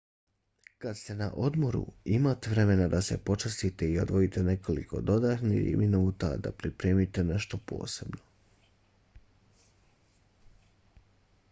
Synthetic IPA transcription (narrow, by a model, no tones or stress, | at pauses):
kad̪st̪e̞na̰ʔo̞d̪mo̞ɾṵimat̪eʋɾe̞me̞nad̪ase̞po̞t͡ʃast̪it̪e̞io̞d̪ʋo̞it̪ene̞ko̞lḭko̞̰d̪o̞d̪at̪nḭxminuːt̪a̰d̪a̰pɾipɾe̞ːmit̪e̞ne̞ʃt̪o̞po̞̰ːse̞bno